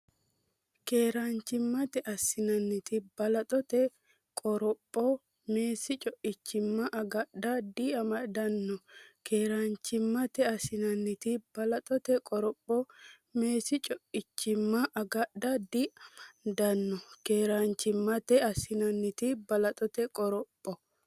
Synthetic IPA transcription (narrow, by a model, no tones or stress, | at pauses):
ke̞ːɾant͡ʃːɪmːɐt̪ɛʔɐsɪnɐnːɪt̪ɪb̥ɐlɐt̪ʼɔt̪ɛ | kʼɔɾɔpʼːɔ | meːsɪt͡ʃʼɔʔɪt͡ʃːɪmːɐʔɐɡɐdɐd̪ɪɐmɐd̪ɐnːɔkʰe̞ːɾant͡ʃːɪmːɐt̪ɛɐsɪnɐnːɪt̪ɪb̥ɐlɐt̪ʼɔt̪ɛkʼɔɾɔpʼːɔ | me̞ːsɪt͡ʃʼɔʔɪt͡ʃːɪmːɐʔɐɡɐd̪ɐd̪ɪmd̪ɐnːɔkeːɾant͡ʃːɪmːɐt̪ɛɐsɪnɐnːɪt̪ɪbɐlɐt̪ʼɔt̪ɛkʼɔɾɔpʼːɔ